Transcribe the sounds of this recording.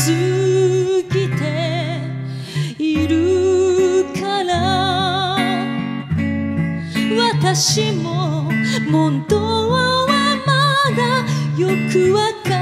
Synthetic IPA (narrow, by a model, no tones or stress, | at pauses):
ɨ | ɡʲit̪e | iɾɯ | kʰaɾa | βat̪aɕimomõnt̪oβaβamad̪ajokɯβaka